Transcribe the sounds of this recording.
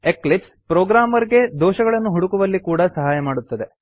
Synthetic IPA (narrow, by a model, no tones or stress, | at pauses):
eklipspɾoːɡɾaːmɐɾiɡe̞d̪oːʃɐɡɐɭɐnːuɦuɽukuʋɐlːikuːɽɐsɐɦaːjɐmaːɽut̪ːɐd̪e̞